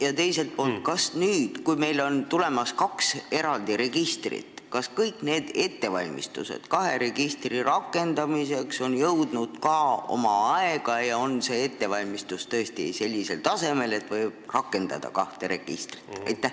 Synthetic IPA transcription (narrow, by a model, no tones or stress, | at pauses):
jɑt̪e̞jse̞lt̪̚po̞ːlt̪̚kɑsnyːd̪̥kujme̞jlo̞nt̪ule̞mɑskɑkse̞ɾɑld̪̥iɾe̞ɡ̥ist̪rḭt̪ | kɑskɤjkˑne̞ːd̪̥e̞t̪ːe̞vɑlʲmḭst̪ṵsḛd̪̥kɑɦe̞ɾe̞ɡ̥ist̪riɾɑkːˑe̞nd̪̥ɑmise̞kso̞njɤwd̪nud̪̥kɑo̞̰mɑɑeɡ̥ɑjɑo̞nse̞e̞t̪ːe̞vɑlʲmist̪ust̪ɤ̞est̪ise̞lʲːise̞lt̪ɑse̞me̞le̞t̪ːˑvɤjb̥̚rɑkːˑe̞nd̪̥ɑ̰d̪̥ɑ̰kɑht̪e̞ɾe̞̰ɡ̥ḭst̪ri̥t̪ɑ̰jt̪ːˑæh